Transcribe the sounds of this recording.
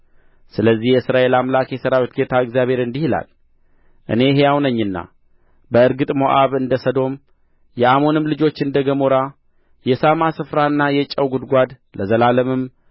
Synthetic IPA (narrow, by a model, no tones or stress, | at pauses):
sɨləzːihjɛsɨɾaʔe̞lamlakjɛsəɾawit̪ɡet̪ʰaɨɡzjaβhe̞ɾɨnd̪ihla̰l | ʔɨ̰ne̞ɦejawnəɲːɨnːa̰ | bəɨɾɡɨt̪ʼmo̞ʔaβɨnd̪əsəd̪o̞m | jɛamo̞nɨmlɨd͡ʒo̞t͡ʃːɨnd̪əɡəmoɾa | jɛsamasɨfɾaɨnːajɛt͡ʃʼːəwɡud̪ɡʷad̪ | ləzəlaləmɨm